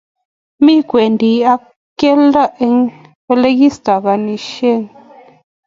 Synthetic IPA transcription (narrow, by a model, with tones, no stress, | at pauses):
mi˦kwe˨n˨di˨a˦ | ke˦la˦˨ʔe˧˦ŋ | pə˦le˦ɡi˦sta˨ɣa˨ni˨ʃe˦˨n